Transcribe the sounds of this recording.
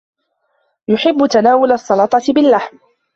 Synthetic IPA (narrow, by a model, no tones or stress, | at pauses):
jʊħɪbːʊt̪anaːwʊlɑsˤːɑlɑt̪ˤɑt̪ɪbɪlːaħm